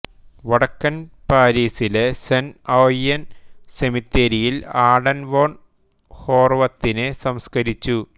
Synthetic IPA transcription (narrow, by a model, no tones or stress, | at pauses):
ʋɐɽɐkːɐnpaːɾiːsilesenoːjɐnsemit̪ːeɾijilaːɽɐnʋoːɳ | ho̞ːrʋɐt̪ːinesɐmskɐɾit͡ɕːu